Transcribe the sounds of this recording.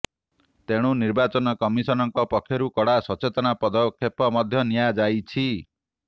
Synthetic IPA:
t̪eɽ̃uniɾbat͡ʃɔnɔkɔmisɔnɔŋkɔpɔkʰjɔɾukɔɽasɔt͡ʃet̪ɔɽ̃apɔd̪ɔkʰːepɔmɔd̪ʱjɔnijad͡ʒajt͡ʃʰi

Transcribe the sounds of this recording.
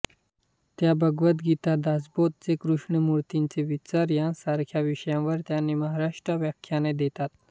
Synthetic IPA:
t̪jabəɡʋət̪ɡit̪ad̪asbot̪̚t͡sekɾuʂɳəmuɾt̪int͡seʋit͡ɕaɾjãsaɾkʰjaʋiɕəjãʋəɾt̪janːiməɦaɾaʂʈɾaʋjakʰjaned̪et̪at̪

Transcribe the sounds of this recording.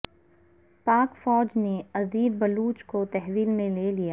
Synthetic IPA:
paːkfɔːd͡ʒneɐziːd̪̚bɐluːt͡ʃkot̪ɛɦʋiːlmẽleːlijaː

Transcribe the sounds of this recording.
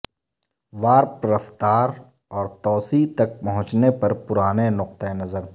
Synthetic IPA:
ʋaːɾpɐɾəft̪aːɾ | ɔːɾt̪ɔːsit̪ɐk̚pɐɦʊ̃t͡ʃnepɐɾpʊɾaːnenʊq̚t̪enɐzəɾ

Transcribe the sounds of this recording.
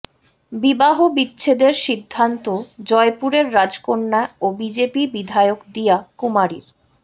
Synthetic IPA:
bibaɦobitːɕʰed̪eɾʃid̪ʱːant̪od͡ʑɔepuɾeɾːad͡ʑkoɾnaobid͡ʑepibid̪ʱaeokd̪ijakumaɾḭɾ

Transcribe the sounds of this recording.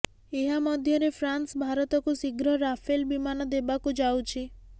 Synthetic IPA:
eɦamɔd̪ʱjɔɾepʰɾansbʱaɾɔt̪ɔkusiɡɾɔɾapʰelbimanɔd̪ebakud͡ʒawt͡ʃʰi

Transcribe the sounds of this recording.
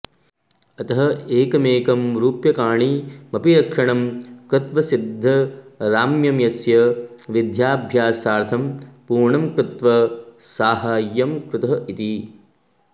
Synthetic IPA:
ɐt̪ɐɦɐeːkɐmeːkɐmɾuːpjɐkaːɳimɐpiɾɐkʂɐɳɐmkɾut̪ʋɐsid̪ʱːɐɾaːmjɐmjɐsjɐʋid̪ʱjaːbʱjaːsaːɾt̪ʰɐmpuːɾɳɐmkɾut̪ʋɐsaːɦaːjːɐmkɾut̪ɐɦɐʔit̪i

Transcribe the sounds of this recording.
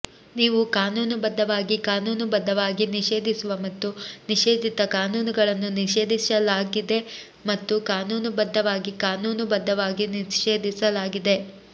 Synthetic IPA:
niːʋukaːnuːnubɐd̪ːɐʋaːɡikaːnuːnubɐd̪ʱːɐʋaːɡiniʃeːd̪ʱisuʋɐmɐt̪ːuniʃeːd̪ʱit̪ɐkaːnuːnuɡɐɭɐnːuniʃe̞ːd̪isɐlaːɡid̪e̞ | mɐt̪ːukaːnuːnubɐd̪ːɐʋaːɡikaːnuːnubɐd̪ʱːɐʋaːɡiniʃeːd̪ʱisɐlaːɡid̪e̞

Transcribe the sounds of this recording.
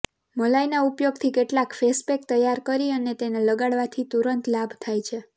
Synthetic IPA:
məlajnaupjoɡt̪ʰikeʈlakfespek̚t̪əjːaɾkəɾiənet̪eneləɡaɽʋat̪ʰit̪uɾənt̪labʱt̪ʰajt͡ʃʰe

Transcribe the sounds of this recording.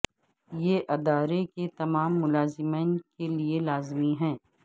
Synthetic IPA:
jeʔɐd̪aːɾeket̪ɐmaːmːʊlaːzɪmeːnkelielaːzmiɦɛ̃ː

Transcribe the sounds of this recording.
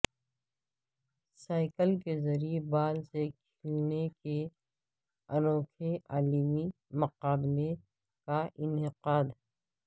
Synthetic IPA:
saːɪkəlkezɐɾiebaːlsekʰɪlneke | ɐnoːkʰeʔaːlimi | mɐqaːble | kaɪnɪqaːd̪ɦɛ

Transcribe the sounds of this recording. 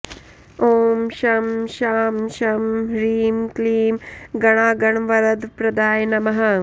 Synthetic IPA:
oːmʃɐmʃaːmʃɐmɾiːmkliːmɡɐɳ̃aːɡɐɳʋɐɾɐd̪pɾɐd̪aːjnɐmɐɦɐ

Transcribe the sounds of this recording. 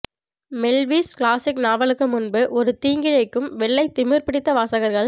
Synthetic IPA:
mɛlʋiːskɭaːsɪknaːʋɐɭɯkːɯmʊnbɯʔɔɾɯt̪iːŋɡɪɻɐɪkːɯmʋɛɭːɐɪt̪ɪmɪɾpɪɽɪt̪ːɐʋaːsɐɣɐɾɣɐɭ

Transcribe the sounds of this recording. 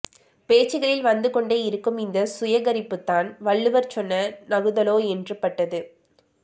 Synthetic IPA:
peːt͡ʃːɯɣɐɭɪlʋɐnd̪ɯkɔɳɖeːɪɾɯkːɯmɪnd̪ɐsʊjɐɣɐɾɪpːɯt̪ːaːnʋɐɭːɯʋɐɾt͡ʃɔnːɐnɐɣɯðɐloːɛndrɯpːɐʈːɐðɯ

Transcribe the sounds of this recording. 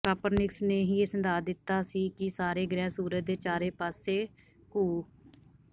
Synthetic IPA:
kaːpəɾnɪksneːɦiːeːsənd̪aːd̪ɪt̪ːaːsiːkɪsaːɾeːɡɾɛ̃ːsuːɾət̪d̪eːt͡ʃaːɾeːpaːseː | kuː

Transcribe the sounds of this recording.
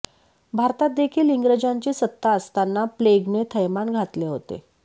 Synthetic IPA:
bʱaɾt̪at̪̚d̪ekʰiːliŋɡɾəd͡ʑaɲt͡ɕiːsət̪ːaəst̪anːapleɡnet̪ʰəjmanɡʱat̪leɦot̪ḛ

